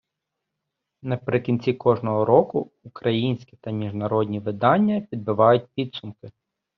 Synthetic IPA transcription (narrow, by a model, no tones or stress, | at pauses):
nɐpɾɪkʲinʲt͡sʲikɔʒnɔɦɔɾɔkʊ | ʊkɾɐjinʲsʲkʲit̪ɐmʲiʒnɐɾɔdʲnʲiʋɪd̪ɑnʲːɐpʲid̪̚bɪʋɑjʊt̚ʲpʲid̪sʊmkɪ